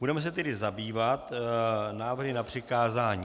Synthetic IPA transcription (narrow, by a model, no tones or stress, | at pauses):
budɛmɛs̬ɛt̪ɛdɪzabiːvat̪naːvrɦɪnapr̝̥ɪkaːzaːɲiː